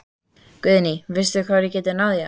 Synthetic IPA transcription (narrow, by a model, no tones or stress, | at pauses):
kʏðnivɪst̪ðʏkʰvaːðɾjɛcɛːt̪ɪnawðja